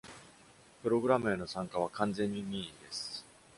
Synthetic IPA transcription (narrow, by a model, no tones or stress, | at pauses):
pɯ̟ɾo̞ɡɯ̟ɾamɯ̟eno̞sãŋkaβ̞akãnzẽ̞ɲ̟ːimʲid̪e̞sɨ̥